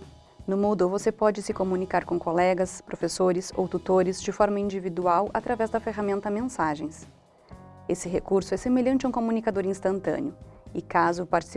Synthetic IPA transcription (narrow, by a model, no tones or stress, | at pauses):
nʊmowd̪ʊvosepɔd͡ʒɪsɪkomũnikaɾkõkolɛɡɐspɾʔofesoɾɪso̰wt̪ut̪oɾɪzd͡ʒɪfɔɾmɐĩnd͡ʒivid̪uawʔat̪ɾavɛzd̪ɐfeɦamẽnt̪ɐmẽsaʒẽj̃s | esɪɦekuɾsʊɛsemeʎɐ̃nt͡ʃɪɐ̃ũkomũnikad̪oɾĩst̪ɐ̃nt̪ɐ̰̃nɪʊɪkazʊpaɾt͡ʃi̥s